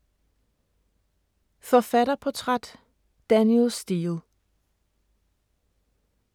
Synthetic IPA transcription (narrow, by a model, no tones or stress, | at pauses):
fɒfæɾ̥ɐpʰɒt͡sʰʁɑd̥ | d̥ænilsd̥io